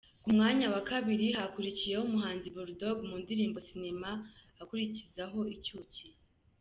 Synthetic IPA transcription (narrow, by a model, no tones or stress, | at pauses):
kumŋaːɲawakaβiɾiɦakuɾicije̞humuɦaːnziβuɾdo̞ɡmundiɾiːmbo̞sinema | akuɾicizaɦo̞icuːci